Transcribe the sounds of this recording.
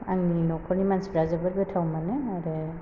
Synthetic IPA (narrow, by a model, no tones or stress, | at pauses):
aŋninɔkʰɔnimansbɾazabaɾbɛtʰawmanɛaɾɛ